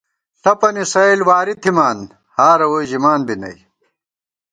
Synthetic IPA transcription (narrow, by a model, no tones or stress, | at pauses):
sɐpɐnisɐilwaːɾit̪ʰimaːn | haːɾɐwojʑimaːnbinɐ̰j